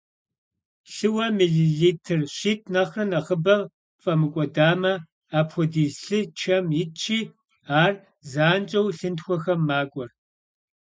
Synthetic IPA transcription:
ɬɨwɐmiɮiɮiːtʰɨrɕiːt̚ʼʰnɐχrɨnɐʁəbɐ | fʼɐmɨkʷʼɔdaːmɐ | aːpxʷɔdiːɬɨt͡ʃʰɐmjɪt͡ʃʰiː | aːr | zaːnt͡ʃʼɐwɬɨntxʷɔxɐmːaːkʷʼɔr

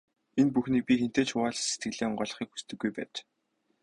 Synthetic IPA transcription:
enpuxniːk̚pʲixen̥t̪eːt͡ɕʰʊaːɮse̥t̪̚ɡɘ̆ɮeːɴɢɔːɮ̆χiːkxu̥st̪ɘ̆ɡːujpæ̰ːt͡ɕ

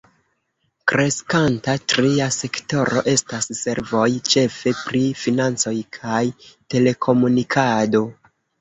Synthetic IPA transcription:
kɾe̞skantatɾiase̞kto̞ɾo̞̰ʔe̞stasːe̞ɾvo̞jt͡ʃe̞fe̞pɾifinant͡so̞jkʰajte̞le̞kʰo̞munikʰado̞

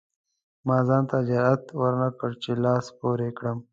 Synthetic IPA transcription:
maːzɑːnt̪ad͡ʒaɾat̪wəɾnakəɽt͡ʃelɑːspoːɾekɽəm

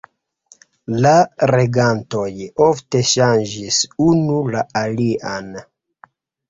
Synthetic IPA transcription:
laɾeɡanto̞jofte̞ʃand͡ʒisunulaʔaliʔan

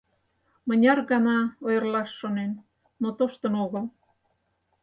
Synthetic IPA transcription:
mə̆nʲɑrɣɑnɑojərlɑʃːonen | not̪oʃt̪ə̆noɣəl

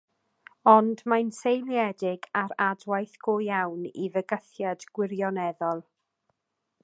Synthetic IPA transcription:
ɔndmansejlˠjɛdɪɡaɾadwajθɡ̥ojawnivəɡəθjadɡ̥wɪɾjɔnɛðɔlˠ

